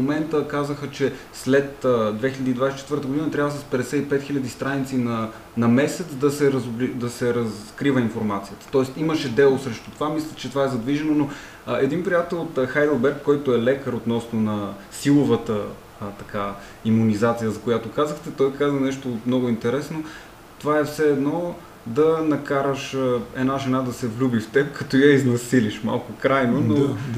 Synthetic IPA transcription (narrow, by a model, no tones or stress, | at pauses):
momɛnt̪əkazəxət͡ʃɛ | slɛt̪əd̪vɛxilʲəd̪iːd̪vajsit͡ʃɛt̪vəɾt̪əɡod̪inət̪ɾʲjabvəsɐspɛd̪ɛsɛipɛt̪xilʲʎɐd̪ist̪ɾanit̪sinɐ | nɐmɛsɛt̪sd̪ɐsɛɾəzblid̪ɐsɛɾɐskɾivəinfoɾmat̪sijət̪ə̥t̪ɔɛst̪iməʃɛd̪ɛlˠosɾɛʃt̪o̥t̪ovamislʲət͡ʃɛt̪ovaɛzɐd̪viʒɛnono | ɛd̪inpɾijat̪ɛlˠot̪xajd̪əlˠbɛɾkːɔjt̪oɛlɛkəɾot̪nɔsnonɐ | silˠovət̪ə | t̪ɐka | imunizat̪sijəzɐkojat̪okazəxt̪ɛt̪ɔjkazənɛʃt̪omnɔɡʊint̪ɛɾɛsno | t̪ovaɛfsɛːd̪nɔ | d̪ɐnɐkaɾəʃəɛ̰naʒɛnad̪ɐsɛvlʲubift̪ɛp̚kɐt̪ɔjəiznɐsiliʃma̰lˠkʊkɾajnono